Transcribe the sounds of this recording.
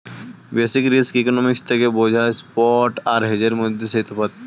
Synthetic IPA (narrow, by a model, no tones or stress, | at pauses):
beːsɪkɾiskːkonɔːmɪkst̪ekeboːd͡ʒʱaspɔːʈaːɾɦed͡ʒəɾmʊd̪ːeset̪pʰət̪̚